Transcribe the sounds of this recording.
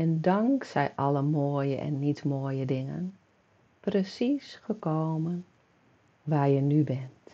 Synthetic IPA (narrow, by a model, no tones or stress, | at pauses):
ɛndɔŋksɛjʔɔləmoːjəʔɛ̰nːitmoːjədɪŋə̰n | prəsisχəkowmən | ʋaːrjənybɛnt